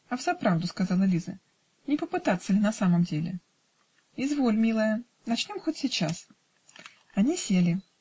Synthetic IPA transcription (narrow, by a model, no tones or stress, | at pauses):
ɐvzɐpɾavd̪ʊskazalˠəlʲizə̰ | nʲɪpəpɨt̪at̪səlʲɪnɐsaməmdʲelʲɪ̰ | ɪzvo̞lʲmʲilˠəjə | nɐt͡ɕnʲo̞mxotʲsʲɪt͡ɕas | ɐnʲisʲelʲɪ